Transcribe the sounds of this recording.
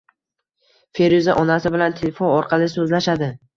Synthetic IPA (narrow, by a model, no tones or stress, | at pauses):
fe̞ɾuzaʔɒnasɪbɪlant̪ʰelefonɒɾqʰɑlɪsɵzlaʃad̪ɪ